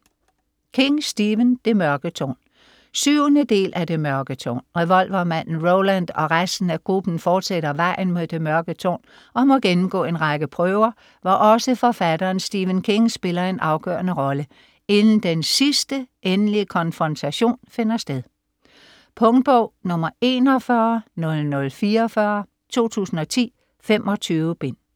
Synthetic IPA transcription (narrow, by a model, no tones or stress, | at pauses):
kʰe̝ŋsd̥iːʋənd̥e̝mɶɐɡ̥ət͡sʰo̰ːn | syʊnəd̥e̝̰ːlʔæd̥e̝mɶɐɡ̥ət͡sʰo̰ːnʁɛʋɒ̽l̰ʋɐmæn̰n̩ʁoʊlænd̥ɒ̽ʁasd̥n̩æɡ̥ʁub̥n̩fɒːd̥seɾ̥ɐʋɑ̈ɪ̰n̩mo̝ðˠd̥e̝mɶɐɡ̥ət͡sʰo̰ːn | ɒ̽mɔ̽ɡ̥enm̩ɡ̥ɔ̰ːe̝nʁɑ̈ɡ̥əpʰʁœʊɐ | ʋɒʔɒ̽səfɒ̽fæd̥ɐːnsd̥iːʋənkʰe̝ŋsb̥e̝lɐe̝nʔɑ̈ʊɡ̥œ̰ːɐnəʁɒ̽lə | e̝nn̩d̥ensisd̥əʔenliəkʰɒ̽nfʁɒ̽nt͡sʰæɕo̝̰ːnfe̝nɐsd̥eðˠ | pʰɔ̽ŋd̥̚b̥ɔʊ̰nɔ̽mɐe̝̰ːnɒfɶɐnɔ̽lnɔ̽lfiːɐfɶɐ | t͡sʰo̝̰ːt͡sʰṵːsn̩ɒ̽t͡sʰḭː | fem̰ʔɒ̽t͡sʰyːʊəb̥e̝n̰